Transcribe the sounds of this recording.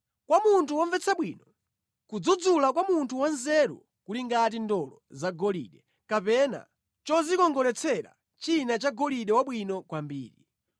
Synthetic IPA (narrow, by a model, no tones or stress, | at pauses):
kwamuntʰuwɔɱvɛt͡saɓwiːnɔ | kud͡zud͡zulak̬wamuntʰuwanzɛɾṵ | kuliŋɡat̬indɔlɔ̰zaɡɔlḭɗɛ | kapɛna̰ | t͡ʃɔzikɔŋɡɔɾɛt͡sʰɛɾa̰ | t͡ʃinat͡ʃaɡɔliɗɛwaɓwinɔkwambiːɾi